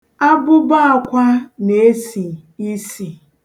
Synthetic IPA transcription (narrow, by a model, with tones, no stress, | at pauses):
a˦bʊ˦ba˦a˨kʷa˦ne˨˦si˨i˦si˨